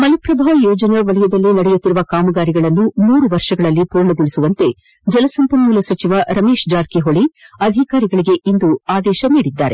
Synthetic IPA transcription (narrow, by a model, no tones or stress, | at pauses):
mɐlɐpɾɐbʱaːʋɐjɔːd͡ʒɐnɐʋɐlɛjɐd̪ɐlːinɐɽɛjut̪ːiɾuʋɐkaːmɐɡaːɾiɡɐɭɐnːumuːɾuʋɐɾʃɐɡɐɭɐlːipuːɾɳɐɡoɭisuʋɐnt̪e̞ | d͡ʒɐlɐsɐmpɐnmulɐsɐt͡ʃiʋɐʔɾɐme̞ːʃd͡ʒaːɾkiɦoɭiɐd̪ʱikaːɾiɡɐɭiɡe̞ʔind̪uaːd̪ɛːʃɐniːɽid̪ːa̰ːɾe